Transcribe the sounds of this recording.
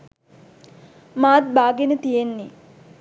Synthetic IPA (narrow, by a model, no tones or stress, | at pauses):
maːt̪̚baːɡenət̪ijenːi